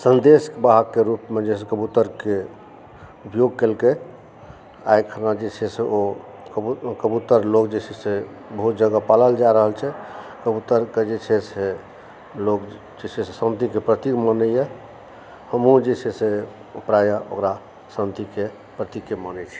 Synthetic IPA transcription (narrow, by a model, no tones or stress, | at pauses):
sənd̪eskbaɦəkːeɾupmed͡ʒesekəbut̪əɾke | upjoɡ̚kelke | a̰jkʰənad͡ʒet͡ʃʰɛseo | kəbut̪əɾlokd͡ʒet͡ʃʰɛse | bəɦut̪̚d͡ʒəɡapaləld͡ʒaɾəɦəlt͡ʃʰɛkəbut̪əɾked͡ʒet͡ʃʰɛse | lok | d͡ʒet͡ʃʰɛsesənt̪ikepɾət̪ikmənəjɛ | həmũd͡ʒet͡ʃʰɛse | upɾajəo̰kɾa | sənt̪ike | pɾət̪ikːemənɛt͡ʃʰɛ